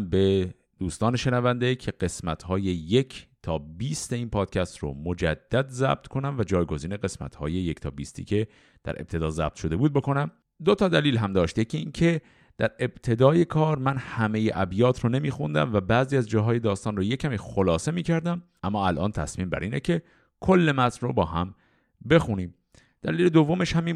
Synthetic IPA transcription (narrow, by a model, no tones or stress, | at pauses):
mbe̞ | d̪̥uːst̪ɒːne̞ʃe̞nævænd̪ecʰe̞ɢe̞smæt̪hɒːje̞je̞cʰt̪ʰɒːbiːst̪e̞iːnpʰɒːd̪̥cʰæst̪ro̰mod͡ʒæ̰d̪̥ːæd̪zæ̰b̥̚t̪ʰkʰo̞næmvæd͡ʒɒːjɡo̞ziːneɣe̞smæ̰t̪hɒ̰ːje̞jecʰt̪ʰɒːbiːst̪ʰḭːkʰe̞ | d̪̥æ̰ɾʔeb̥̚t̪ʰe̞d̪ɒːzæ̰b̥̚t̪ʃo̞d̪e̞buːd̪̚bo̞ko̞næm | d̪o̞t̪ʰɒːd̪æliːlɦæmd̪ɒːʃt̪je̞cʰiiːncʰe̞ | d̪̥æɾe̞b̥t̪ʰe̞d̪ɒːje̞kʰɒːɾmænhæme̞jeʔæbjɒːt̪ʰɾone̞miːxund̪æ̰mvæbæːziːæzd͡ʒɒːɦɒːje̞d̪ɒːst̪ɒːnroje̞cʰæmixolɒːse̞miːcʰæɾd̪æmʔæmːɒːælʔɒ̰ːnt̪ʰæsmiːmbæ̰ɾʔiːnecʰe̞ | kʰo̞lːe̞mæt̪nrobɒːɦæm | be̞xuniːm | d̪̥æliːle̞d̪ovːo̞me̞ʃhæmi